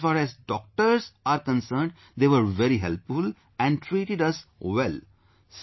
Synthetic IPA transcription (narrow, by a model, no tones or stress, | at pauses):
faːɾɛzɖɔːk̚ʈəɾsaːɾkə̃nsəːɾɳɖ | d̪eːʋəɾʋɛɾiɦɛ̰lpfʊl | ɛ̃ɳɖʈɾiːʈɪɖʌsʋɛl | s